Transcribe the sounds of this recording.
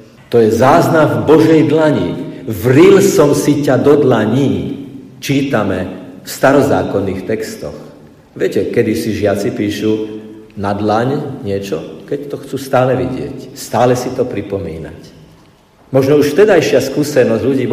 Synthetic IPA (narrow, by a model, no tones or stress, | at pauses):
t̪ɔjɛzaːznavbɔʒɛjd̪laɲḭvɾilsɔmsicad̪ɔd̪laɲi | t͡ʃiːt̪amɛfst̪aɾɔza̰ːkɔnːiːxt̪ɛkst̪ɔ̰x | ʋɪɛcɛkɛd̪isiʒɪat͡sipiːʃu | nad̪laɲɲɪɛt͡ʃɔkɛct̪ɔxt͡suːst̪aːlɛʋiɟɪɛ̰cst̪aːlɛsit̪ɔpɾipɔmḭːna̰c | mɔʒnɔuʃft̪ɛd̪ajʃɪaskuːsɛnɔzɟʎuɟiː